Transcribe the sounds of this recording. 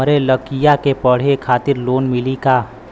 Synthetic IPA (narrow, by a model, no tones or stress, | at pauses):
əɾeləkijakepəɽ̤ekʰaːt̪ɪɾloːnmɪlikaː